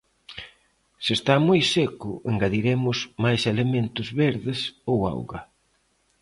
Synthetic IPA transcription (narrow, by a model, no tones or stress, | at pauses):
sest̪amojsekʊʔeŋɡaðiɾemʊsmajselement̪ʊzβeɾðɪsowa̰wɣɐ̰